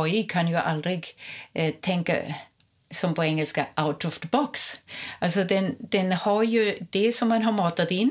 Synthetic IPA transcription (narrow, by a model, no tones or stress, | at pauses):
ɔjkʰanjʊʔa̰ld̪ɾɪɡ | t̪ʰɛŋka̰ | sɔmpʰɔɛŋːɛlskaʔawt̪ɾʊft̪bɔksalsɔd̪ɛnd̪̥ɛnhaɾjʊd̪̥ɛsɔmːanɦaɾmɑːt̪at̪ɪn